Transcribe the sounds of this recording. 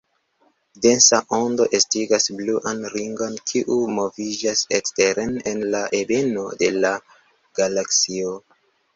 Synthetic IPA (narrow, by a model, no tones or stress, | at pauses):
de̞nsaʔo̞ndo̞ʔestiɡasbluʔanɾiŋɡo̞nkʰiʔumo̞vid͡ʒaseksteɾenenlaʔebe̞no̞de̞la | ɡ̥alaksio